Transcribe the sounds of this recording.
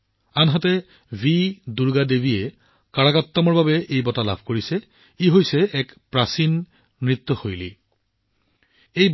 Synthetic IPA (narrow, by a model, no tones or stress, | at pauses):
anɦatɛ | bʱiduɹɡadebiɛ | kaɹakat̪ːɔmɔɹbabɛʔejbɔtala̰bʱkoɹisɛ | iɦojsɛɛkpɹasinː | ɹit̪ːɔxojli | ej